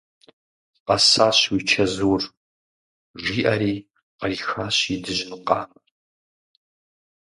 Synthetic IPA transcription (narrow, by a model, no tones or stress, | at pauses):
qɐsaːɕwiːt͡ʃʰɐzuːr | ʒʷiːʔɐɾiː | qɐriːxaːɕidɨʒɪnɨqɑ̰ːmɐr